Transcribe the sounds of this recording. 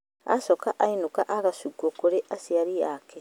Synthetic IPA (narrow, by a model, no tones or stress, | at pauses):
a̰sɔkaʔainukaʔaɣasuɡwokoɾeʔasiaɾijaːke